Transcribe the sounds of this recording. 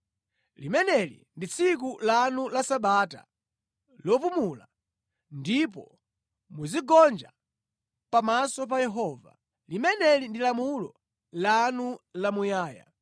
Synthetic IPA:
limɛnɛlḭndit͡sʰik̬ulanulasaɓata̰ | lɔpumula | ndip̬ɔ | muziɡɔnd͡ʒa̰ | pamasɔp̬ajɛɦɔːva̰ | limɛnɛlindilamulɔ | lanulamujaːja̰

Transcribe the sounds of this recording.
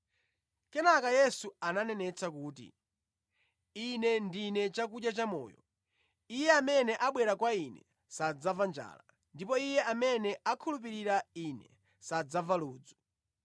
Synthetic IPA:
kɛnakajɛsuananɛnɛt͡sak̬uːtḭ | inɛndinɛt͡ʃak̬uʄjat͡ʃamɔ̰ːjɔ̰ | ijɛamɛnɛʔaɓwɛɾakwainɛ̰ | sad͡zavand͡ʒa̰ːla | ndipɔijɛʔamɛnɛakʰulup̬iɾiɾainɛ̰ | sad͡zavaluːd͡zu̥

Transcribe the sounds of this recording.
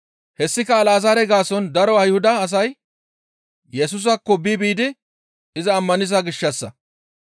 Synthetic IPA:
hɛsːɪkɐːlaːzaːɾɛɡaːsɔnd̪ɐɾɔɐjhʊd̪ɐːs̬ɐj | jɛs̬ʊs̬ɐkːɔbiːbiːd̪ɪ | ɪzɐːmːɐnɪzaɡɪʃːɐsːɐ̰

